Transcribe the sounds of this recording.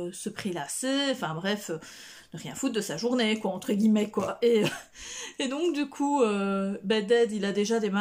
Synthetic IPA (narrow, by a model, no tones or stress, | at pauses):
səpχelaseɑ̃fɛ̃bʁɛfø | nəʁjɛ̃fut̪̚d̪əsaʒuʁnekwaɑ̃t̪χəɡʲimɛkwaeø | ed̪ɔ̃kd̪ykʰuøbɛd̪ɛd̪ilad̪eʒad̪ema